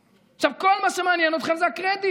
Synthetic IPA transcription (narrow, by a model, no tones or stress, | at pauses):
aχʃavko̞lmaʃemanjɛno̞t̪χemzeakʁed̪i